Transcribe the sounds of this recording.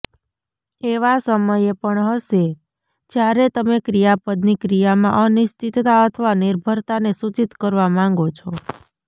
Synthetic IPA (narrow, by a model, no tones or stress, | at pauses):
eʋasəməjepəɳɦəʃe | d͡ʒjaɾet̪əmekɾijapəd̪nikɾijamãʔənɪʃt͡ʃit̪t̪aət̪ʰəʋaniɾbʱəɾt̪anesut͡ʃit̪kəɾʋamãŋ̆ɡot͡ʃʰo